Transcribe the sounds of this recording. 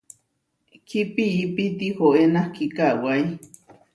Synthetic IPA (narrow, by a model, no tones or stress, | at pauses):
kʰipiipit̪ihoenahkikawaj